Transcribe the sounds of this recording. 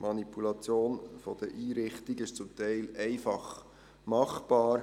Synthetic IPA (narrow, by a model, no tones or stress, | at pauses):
mʔɑnipulɑt͡sjoːnfod̥əʔiːɾɪχt̪iɡɪʃt͡sʊmt̪ɛɪlɛɪfɑχ | mɑχb̥ɑːɾ